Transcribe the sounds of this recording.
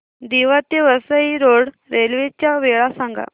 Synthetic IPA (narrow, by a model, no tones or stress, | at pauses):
d̪iʋat̪eʋəsəiɾoɽ | ɾelʋet͡ɕjaʋeɭasaŋɡʱa̰